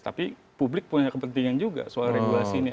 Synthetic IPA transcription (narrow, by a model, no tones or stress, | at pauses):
t̪a̰pi | publɪk̚puɲakəpənt̪iŋand͡ʒuɡa̰salaɾeɡulasiːni